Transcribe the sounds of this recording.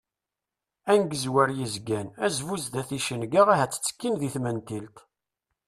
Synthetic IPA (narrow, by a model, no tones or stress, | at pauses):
ænɡəzwæɾjizɡænæzvuzd̪æθiʃənɡaʁæɦæt͡sːə̥t͡sːə̥kːinðiθmænt̪ilt̪